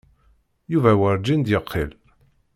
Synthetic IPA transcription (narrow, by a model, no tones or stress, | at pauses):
juvæwəɾd͡ʒind̪jəqʰːḭl